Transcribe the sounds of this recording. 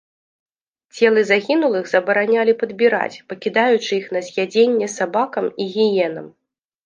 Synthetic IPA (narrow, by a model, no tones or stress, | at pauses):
t͡sʲɛlˠɨzaɣʲinulˠɨɣzɐbɐɾanʲalʲipɐd̪bʲiɾa̰t͡sʲpɐkʲid̪ajut͡ʂɨixn̪ɐzʲjʲad͡zʲenʲːɛsabakɐmiɣʲijɛnɐ̰m